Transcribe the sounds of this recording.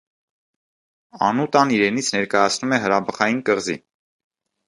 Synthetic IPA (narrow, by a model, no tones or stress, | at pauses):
ɑ̰nut̪ɑniɾɛnit͡sʰnɛɾkɑjɑt͡sʰnumɛɦəɾɑbəχɑjinkəʁzḭ